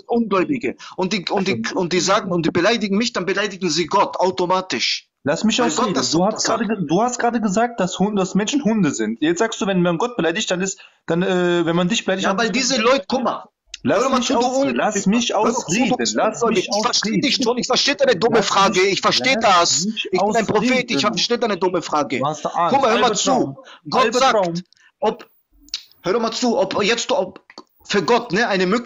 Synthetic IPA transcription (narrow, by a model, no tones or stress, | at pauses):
ʔʊnɡlɔʏbɪɡəʔʊnt̚d̥iːʊntd̥iːʊnt̚d̥iːzaːɡŋ̩ʊnt̚d̥iːbəlaɪdɪɡŋ̩mɪçd̥anbəlaɪdɪɡŋ̩ziːɡɔtʰaʊtomaːtɪʃ | lasmɪçasɡ̥ɔdasuːhḁʁaːdəduːhastɡ̥ʁaːdəɡəzaːk̚t̚d̥ashʊd̥asmɛnʃn̩hʊndəzɪntjɛt͡sz̥aːkstd̥uːvɛnmanɡɔt̚b̥əlaɪdɪçtd̥anɪst | d̥anɛːvɛnmandɪçb̥əlaɪdɪçjaːvaɪldiːzəlɔʏtə̥kʰʊmɐ | løːɐdmat͡suːduːnlasmɪçaøɐuːənaɪɪfɛɐʃteːdɪçʃoːnɪçfɛɐʃteːd̥aɪnədʊməfʁ̥aːɡəɪçfɛɐʃteːədasɪçɪnaɪnpʁ̥ofeːtɪçɐʃteːdaɪnədʊməfʁ̥aːɡəskʊmɐhøɐmalt͡suːɡ̥ɔlzaː | ʔɔp | høːɐdɔmalt͡suːʔɔpjɛt͡stːɔp | fyːɐɡɔtnəʔaɪnəmøːk